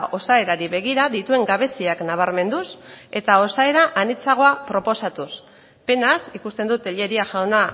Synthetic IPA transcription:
ʔo̞sae̞ɾaɾiβe̞ɣ̞iɾaðit̪ue̞ŋɡaβ̞e̞siaknaβ̞aɾme̞nd̪use̞t̪ao̞sae̞ɾaʔanit͡saɣ̞o̞apɾo̞po̞sat̪us | pe̞nasikust̪e̞nd̪ut̪eʎe̞ɾiaʝawna

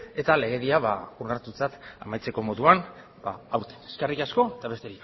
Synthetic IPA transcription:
e̞t̪ale̞ɣe̞ðiaβa̰urnaɾt̪ut͡sat̪a̰majt͡se̞ko̞mo̞ðuan | b̥aawɾt̪e̥eskarikasko̞et̪aβe̞st̪eɾik

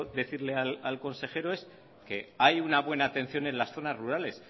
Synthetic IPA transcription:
ðe̞θiɾle̞alalko̞nse̞xe̞ɾo̞e̞s | ke̞ajunaβ̞we̞naːt̪e̞nθjo̞ne̞nlasθo̞nazruɾale̞s

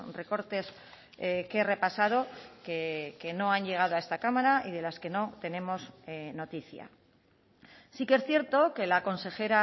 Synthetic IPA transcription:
re̞ko̞ɾt̪e̞s | kere̞pasað̞o̞keke̞no̞anʎe̞ɣ̞aðoae̞st̪akamaɾaiðe̞laske̞no̞t̪e̞ne̞mo̞zno̞t̪iθja̰ | sikee̞sθje̞ɾt̪o̞ke̞lako̞nse̞xe̞ɾa

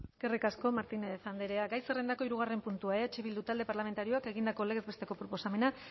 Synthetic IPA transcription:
skerikasko̞maɾt̪ineθand̪eɾe̞aɡajsere̞nd̪ako̞iɾuɣ̞are̞mpunt̪uaeat͡ʃeβild̪ut̪ald̪e̞paɾlament̪aɾio̞ake̞ɣind̪ako̞le̞ɣezbest̪e̞ko̞pɾo̞po̞same̞na

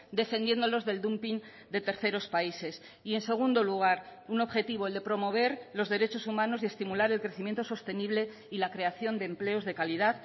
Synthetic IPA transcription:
d̪e̞fe̞nd̪je̞nd̪o̞lo̞zðe̞ld̪umpin | d̪e̞t̪e̞ɾθe̞ɾo̞spaise̞s | ie̞nse̞ɣ̞und̪o̞luɣ̞aɾuno̞βxe̞t̪iβoeld̪epɾo̞mo̞β̞e̞ɾlo̞zðe̞ɾe̞t͡ʃo̞sumãno̞sie̞st̪imulaɾe̞lkɾe̞θimje̞nt̪o̞so̞st̪e̞niβle̞ | ilakɾe̞aθjo̞nd̪e̞ːmple̞o̞zðe̞kaliðað

